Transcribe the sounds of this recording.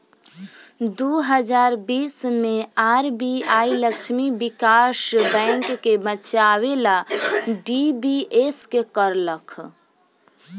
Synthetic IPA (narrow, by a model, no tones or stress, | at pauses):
d̪oɦəd͡ʒaːɾbiːsmẽaɾbiailəkʃʰmibikasbɛ̃ŋkːebət͡ʃawelaɖibieskekəɾləkʰ